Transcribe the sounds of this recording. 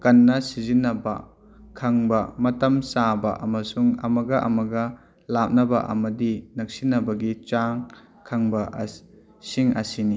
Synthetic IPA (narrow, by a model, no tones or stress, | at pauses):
kɐnːɐsizinːɐbɐ̰ | kʰɐŋbɐmɐtɐmsabɐ̰ʔɐmɐsuŋɐ̰mɐɡɐʔɐ̰mɐɡɐ | lap̚nɐbɐʔɐ̰mɐdinɐk̚sinɐbɐɡit͡ʃaŋ | kʰɐŋbɐʔ | siŋɐsini